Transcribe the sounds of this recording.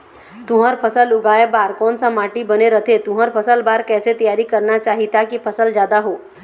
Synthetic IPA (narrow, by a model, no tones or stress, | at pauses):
t̪ʊ̃ɦəɾpʰəsəlʊɡaːebaːɾkɔːnsamaːʈibɐneɾət̪ʰet̪ʊ̃ɦəɾpʰəsəlbaːɾkɛːset̪ɐjaːɾikɐɾnat͡ʃaːɦit̪akipʰɐsəlzd͡ʒjaːd̪aɦoː